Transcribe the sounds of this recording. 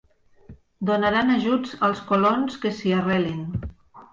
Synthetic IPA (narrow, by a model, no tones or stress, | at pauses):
d̪onaɾanaʒud͡zəlˠskolonskesiarɛlin